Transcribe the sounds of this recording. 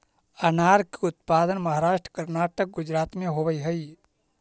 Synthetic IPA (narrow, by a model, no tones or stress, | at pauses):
ɐnaːɾkiʊt̪̚paːd̪ənmɐɦaːɾaːʃʈɾə̥kəɾnaːʈək̚ɡʊd͡ʒɾaːt̪mẽɦoʋəiɦəi